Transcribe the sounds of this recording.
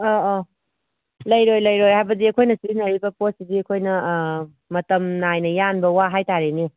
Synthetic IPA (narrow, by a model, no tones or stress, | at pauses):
ɔ | lɐjɾojlɐjɾojɦajbɐdiɐkʰojnɐsinɐɾibɐpossidiɐkʰojnɐ | mɐtɐmnajnɐjanbɐwaɦajtaɾeni